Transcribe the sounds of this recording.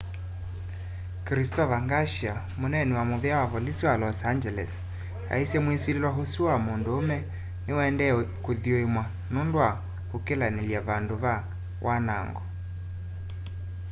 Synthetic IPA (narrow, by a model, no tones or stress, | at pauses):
kɾistɔβaŋɡaʃja | monɛniwamoβɛawaβɔlisiwalɔsand͡ʒɛlɛ̰s | a̰isjɛmwisililwaɦosiwamondoomɛ | newɛndɛkoðioemwa | nondwa | hokelaneliaβandoβa | wʔana̰ŋɡɔ